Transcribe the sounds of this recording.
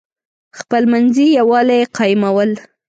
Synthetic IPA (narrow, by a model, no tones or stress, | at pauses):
xpəlmanzijawɑlajeqɑjɪmawəl